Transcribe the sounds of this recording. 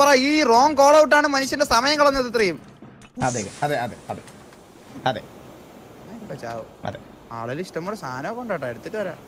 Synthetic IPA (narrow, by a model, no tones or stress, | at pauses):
pɐrɐiːro̞ːŋko̞ːɭɐʋuʈ̬ːaːɳɨmɐnuɕ̬jɐnde̞sɐmɐjɐŋːɐɭɐnːet̪ɐt̪ːrijum | ɐðeːɣɐɐðeɐðeɐðe | ɐðḛ | aikːɨpɐt͡ɕːa̰ːʋo̰ɐ̰ðḛ | a̰ːɭɐliʂʈɐmːoɽesʰaːnɐkːoɳɖaːʈːaeɽut̪ːɐtːɨʋɐɾa̰ː